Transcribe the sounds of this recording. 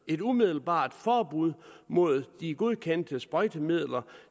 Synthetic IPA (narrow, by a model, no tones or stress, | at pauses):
e̝dumið̞ˠl̩b̥ɑ̰̈ːd̥fɒːbuð̞̰ˠmo̝ð̞̰ˠd̥iɡ̥o̝ð̞ˠkʰen̰d̥əsb̥ʁɒɪd̥əmið̰ˠlɐ